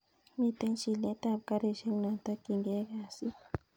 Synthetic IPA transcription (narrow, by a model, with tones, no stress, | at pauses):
mi˨t̪e˦nt͡ʃi˨le˦t̪a˦˨bka˦ɾe˨ʃe˦ŋna˨t̪a˦ki˨ŋɡe˦ɣa˨si˦